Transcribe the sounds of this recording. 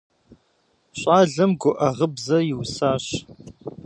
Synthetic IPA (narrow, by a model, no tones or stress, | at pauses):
ɕʷʼaːɮɐmɡʷʊʔɐʁəbzɐjɪwsaːɕ